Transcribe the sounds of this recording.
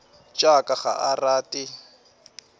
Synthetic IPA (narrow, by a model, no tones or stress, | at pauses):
t͡ʃʼakʼaχa̰ʔaraːtʼɪ